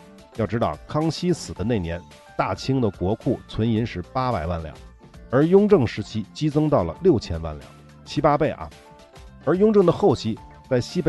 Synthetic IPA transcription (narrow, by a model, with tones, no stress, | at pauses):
jɑ˥˩ʊʈ͡ʂɻ̩˥t̪ɑ˥˩ʊkʰɑ˥ŋɕi˥sɹ̩˨˩d̪ə˦ne˥˩ɪnjɛ˧˥n | t̪a˥˩t͡ɕʰi˥ŋd̪ə˨kwɔ˧˥kʰu˥˩t͡sʰwə˧˥ni˧˥nʂɻ̩˥˩pa˥pa˨˩ɪwa˥˩nljɑ̰˨˩˦ŋ | ə˞˧˥jʊ˥ŋʈ͡ʂɤ˥˩ŋʂɻ̩˧˥t͡ɕʰi˥t͡ɕi˥t͡sɤ˥ŋt̪ɑ˥˩ʊlə̰˩ljo˥˩ʊt͡ɕʰjɛ˥nwa̰˥˩nljɑ̰˨˩˦ŋ | t͡ɕʰi˥pa˥pe˥˩ɪʔɐ̰˩ | ə˞˧˥jʊ˥ŋʈ͡ʂɤ˥˩ŋd̪ə˩xo˥˩ʊt͡ɕʰi˧˥ | t͡sa˥˩ɪɕi˥pe˥